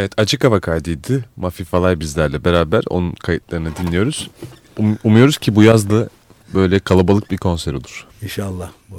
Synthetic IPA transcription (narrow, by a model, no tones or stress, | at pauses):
evɛt̪ʰad͡ʒɯkavakʰaːd̪ijd̪imafifalˠajbizlʲæɾlʲɛbe̞ɾaːbæɾo̞̰nunkʰajɯt̪̚lˠaɾɯnɯd̪inlʲijo̞ɾuz̥ | umujo̞ɾuz̥cʰibujazlˠɯ | bø̞jlʲɛkʰalˠabalˠɯk̚biɾkʰo̞nsæɾo̞lˠuɾ̥ | inʃalˠːah